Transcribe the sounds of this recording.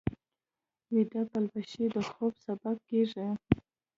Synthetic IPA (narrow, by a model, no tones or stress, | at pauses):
wid̪apalbaʃid̪əxobsabab̚keʐi